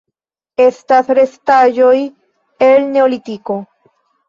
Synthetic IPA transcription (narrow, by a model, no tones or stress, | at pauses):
est̪asɾest̪aʒoj | elneolit̪iko